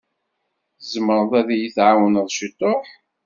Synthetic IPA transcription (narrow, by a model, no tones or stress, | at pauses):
θəzəməɾˤəðˤæðjiθʕawənəðˤʃit̪ˤːoħ